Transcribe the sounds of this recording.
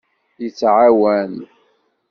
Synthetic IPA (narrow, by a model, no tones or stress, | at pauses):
jət͡sːʕawæn